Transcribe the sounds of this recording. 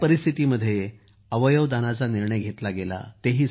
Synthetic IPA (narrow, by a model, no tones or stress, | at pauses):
pəɾist̪ʰit̪iməd̪ʱːje | əʋəjəʋd̪anat͡saniɾɳəjɡʱet̪laɡela̰t̪eɦiː